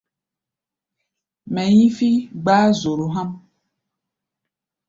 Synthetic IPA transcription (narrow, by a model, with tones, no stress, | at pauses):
mɛ̃˨ɲĩ˦fi˦ɡ͡ba˦zo˨ɾo˨ɦã˦m